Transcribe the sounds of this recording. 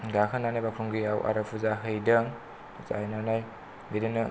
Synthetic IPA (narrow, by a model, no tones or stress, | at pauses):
ɡakʰanːanajbakʰɾuŋɡiawʔa̰ɾapʰuzaɦɯjdɐŋ | usa̰ajnanaj | bidɯnɯ